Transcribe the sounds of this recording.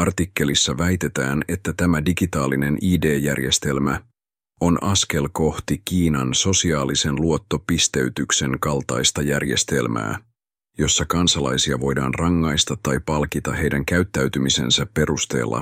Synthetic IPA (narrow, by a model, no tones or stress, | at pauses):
ɑrt̪ikːe̞lisːɑʋæjt̪e̞t̪æːne̞t̪ːæt̪æmædiɡit̪ɑːline̞nʔiːde̞ːjærje̞st̪e̞lmæ̰ | o̞nʔɑske̞lko̞ht̪ikiːnɑnso̞siɑːlise̞nluo̞t̪ːo̞pist̪e̞yt̪ykse̞ŋkɑlˠt̪ɑ̰jst̪ɑjærje̞st̪e̞lmæ̰ː | jo̞sːɑkɑnsɑlɑ̰jsiɑʋo̞jdɑ̰ːnrɑŋːɑjst̪ɑt̪ːɑjpɑlkit̪ɑhe̞jdæŋkæyt̪ːæɥt̪ymise̞̰nsæpːe̞ɾust̪e̞̰ːlːɑ̰